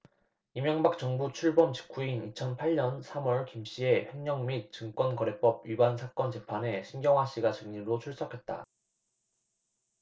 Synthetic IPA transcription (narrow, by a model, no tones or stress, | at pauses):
imjʌŋbak̚t͡ɕ͈ʌŋbut͡ɕʰuɭbʌmt͡ɕi̥kʰuinit͡ɕʰʌnpʰaɭɲʌnsʰamwʌɭkimɕ͈ie̞ɸe̞ŋɲʌŋmit̚t͡ɕɯŋk͈wʌnkʌɾe̞p͈ʌb̚ɥibansʰak͈ʌnt͡ɕe̞pʰane̞ɕʰinɡjʌŋɦwaɕ͈iɡat͡ɕɯŋɲiɾot͡ɕʰuɭs͈ʌkʰe̞t̚t͈a̰